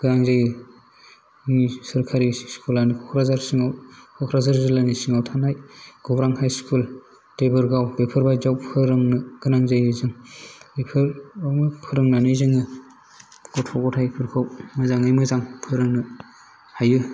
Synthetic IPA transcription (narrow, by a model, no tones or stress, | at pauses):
ɡ̥ɯnaŋzajɯ | isɯɾkʰaɾiskʰulanikʰɔkʰɾazaɾsiŋawkʰɔkʰɾazaɾzɯlanisiŋawtʰanajɡ̥ɔbɾaŋhajskʰul | d̥ebɯɾɡawbepʰɯɾbajzawpʰɯɾɯŋnɯɡ̥ɯnaŋzajɯzɯŋejpʰɯɾamɯpʰɯɾɯŋnanɯjzɯŋɯ | ɡ̥ɔtʰɔɡɔtʰajpʰɯɾkʰawmɯzaŋɯjmɯzaŋpʰɯɾɯŋnɯ | hajɯ